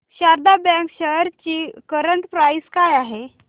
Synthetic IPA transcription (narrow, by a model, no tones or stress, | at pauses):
ɕaɾd̪abɛ̃kɕəɦɾt͡ɕiːkəɾəɳʈ̪pɾajskajaɦe